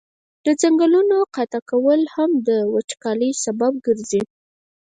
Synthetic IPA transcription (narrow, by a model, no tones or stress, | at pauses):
d̪̥əd͡zaŋɡəlunoqat̪akawəlhamd̪əwat͡ʃkɑləjsabab̚ɡəɾzi